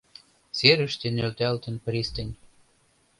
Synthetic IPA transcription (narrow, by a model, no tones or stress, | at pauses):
seɾə̆ʃt̪ĕnølt̪ælt̪ə̆npɾist̪ə̆nʲ